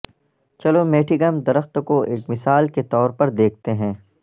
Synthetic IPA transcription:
t͡ʃɐlomeːʈʰɪɡəmd̪ɐɾəxt̪koʔeːkmɪsaːlket̪ɔːɾpɐɾd̪eːk̚ʰt̪eɦɛ̃ː

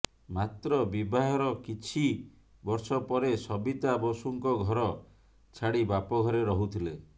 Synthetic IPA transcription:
mat̪ɾɔbibaɦɔɾɔkit͡ʃʰi | bɔɾsɔpɔɾesɔbit̪abɔsuŋkɔɡʱɔɾɔ | t͡ʃʰaɽibapɔɡʱɔɾeɾɔɦut̪ʰile

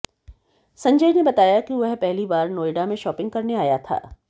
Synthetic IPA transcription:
sɐ̃ɲd͡ʒəjnebɐt̪aːjakiʋɛɦpɛɦlibaːɾnoːɪɖamẽʃɔːpɪ̃ŋɡkɐɾneaːjat̪ʰa̰ː

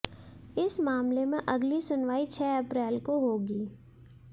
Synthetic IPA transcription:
ɪsmaːmlemẽʔɐɡlisʊnʋaːit͡ʃʰɛːɐpɾɛːlkoɦoːɡiː

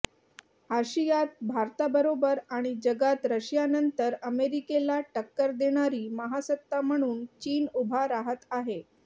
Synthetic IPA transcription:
haɕijat̪̚bʱaɾt̪abəɾobəɾaɽ̃id͡ʑəɡat̪ɾəɕjanənt̪əɾəmeɾikelaʈəkːəɾd̪eɽ̃aɾiːməɦasət̪ːam̤əɽ̃uːnt͡ɕiːnubʱaɾaɦət̪aɦe

